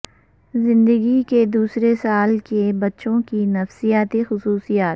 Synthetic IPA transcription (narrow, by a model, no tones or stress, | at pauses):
zɪ̃nd̪əɡiked̪uːsɾesaːlkebɐtːʃõkinɐfsijaːt̪exʊsuːsijaːt̪̚